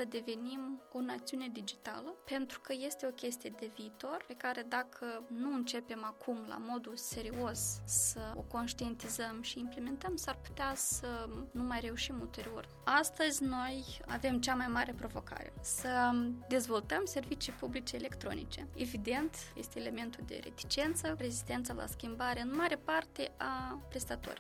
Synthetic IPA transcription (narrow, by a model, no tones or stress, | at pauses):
səd̪e̞ve̞nimo̞nat̪siune̞d̪id͡ʒit̪a̰ləpe̞nt̪ɾu̥kəje̞st̪e̞o̞kʲe̞st̪ijed̪e̞viːt̪o̞rpe̞kaɾe̞d̪akʰənuɨnt͡ʃe̞pe̞makʰumla̰mo̞d̪use̞ɾio̞ssəoko̞nʃt̪ie̞nt̪izəmʃiːmple̞me̞nt̪əmsarpu̥t̪easənumajre̞uʃimult̪e̞ɾio̞̰r | ast̪əzʲno̞ja̰ve̞mt͡ʃamajmaɾe̞pɾo̞vo̞ka̰ɾe̞̰səd̪e̞zvo̞lt̪əmse̞rvit͡ʃijpublit͡ʃeːle̞kt̪ɾo̞̰nḭt͡ʃe̞̰evid̪e̞nt̪jḛst̪eːle̞me̞nt̪uld̪e̞̰ɾe̞̰t̪i̥t͡ʃe̞nt̪səre̞zist̪e̞nt̪salʔa̰skʲimbaɾe̞ɨnmaɾepart̪e̞ʔapɾe̞st̪at̪o̞̰ɾi